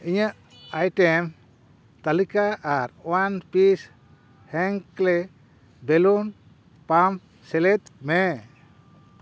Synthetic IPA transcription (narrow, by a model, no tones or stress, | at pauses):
iɲəʔ | ajʈem | t̪alikaʔaɾwanpis | hɛŋklɛ | belun | pam | sɛlɛt̪̚mɛ